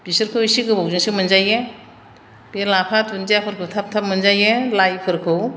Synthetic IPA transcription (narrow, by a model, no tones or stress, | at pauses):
bisɯɾkʰɯwisiɡɯbawzuŋsimɯnzaje | b̥elapʰatʰunzapʰɯɾkʰɯwtʰap̚tʰap̚mɯnzajelajpʰɯɾkʰɯw